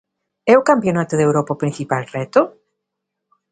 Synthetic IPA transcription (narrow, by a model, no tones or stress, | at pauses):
ɛʊkampjonat̪eðewɾopaopɾĩn̟θipalrɛt̪ʊ